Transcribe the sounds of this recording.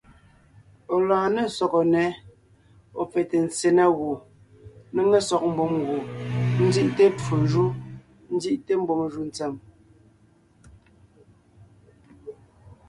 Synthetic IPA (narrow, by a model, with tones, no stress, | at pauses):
o˨laː˨ne˦˨sɔ˨kɔ˨nɛ˨˦ | o˨p͡fɛ˨te˨n̩˨t͡se˨na˦ɣo˨ | n˦ŋe˦sɔ˨k̚m̩˦bo˨mɣo˨n̩˦zi˦ʔte˦p͡fu˨ʒu˦ | n̩˦d͡zi˦ʔte˦m̩˦bo˨mʒu˦˨n̩˨t͡sɛ˨m